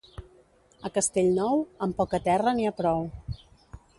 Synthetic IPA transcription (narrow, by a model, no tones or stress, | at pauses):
əkəst̪eʎnɔwəmpɔkət̪ɛrəniapɾɔw